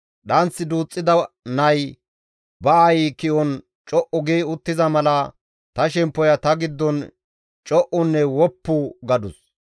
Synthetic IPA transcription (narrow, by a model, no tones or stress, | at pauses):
ɗɐnt͡sːɪd̪uːt͡sʼːɪd̪ɐ | nɐj | bɐɐjikɪʔɔn | t͡ʃʼɔʔʊɡeːʊt̪ːɪzɐmɐlɐ | t̪ɐʃɛmpːɔjɐt̪ɐɡɪd̪ːɔn | t͡ʃʼɔʔʊnːɛwɔpːʊɡɐd̪ʊs